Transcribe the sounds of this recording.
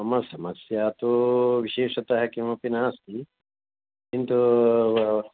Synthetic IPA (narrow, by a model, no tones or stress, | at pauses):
ɐmɐsɐmɐsjat̪oʋiʃeːʃɐt̪ɐɦɛkiʋɐ̃pinaːst̪i | kint̪u